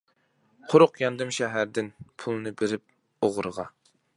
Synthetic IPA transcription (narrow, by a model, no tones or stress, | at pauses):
qʰʊɾʊqjɑnd̪ɨmʃɛɦæɾd̪ɪnpʰulˠnɨbeɾɪp̚ | oʁɾʁɑ